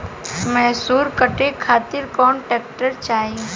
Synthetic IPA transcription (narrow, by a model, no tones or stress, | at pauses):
mɛɦsuːɾkəʈekʰaːt̪ɪɾkɔːnʈɛːkʈəɾt͡ʃaːɦi